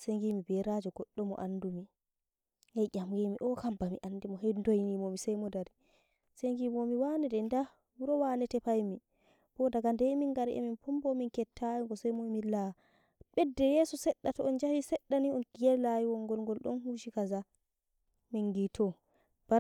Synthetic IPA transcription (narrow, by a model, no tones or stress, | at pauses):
seŋɡimibɛɾad͡ʒɔɡ̥ɔɗːɔmɔ̰ʔanːdumi | hɛɟʲamɡɛmiʔɔkambamḭʔanːdimɔɦɛndojnimomisajmɔdaɾi | seŋɡimomiwanɛdɛnda | wuɾɔwanɛtɛpajmi | b̥ɔdaɡandɛminɡaɾʔɛ̰minpumbɔminkɛtʰːajiɡɔsajmɔjmila | ɓɛdːɛjɛsɔsɛɗːatɔɔnd͡ʒahisɛɗːaniɔnɡɛlajiwɔŋɡɔlɡɔlɗɔ̰nɦuʃikaza | minɡitʰɔ | b̥a